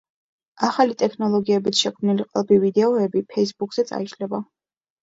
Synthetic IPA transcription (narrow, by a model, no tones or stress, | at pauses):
aχalit̪ʼɛkʰnɔlˠɔɡiɛbit̪ʰʃɛkʰmniliqʼlˠbivid̪ɛɔɛbipʰɛisbukʰʼz̥ɛt̪sʼa̰iʃlɛba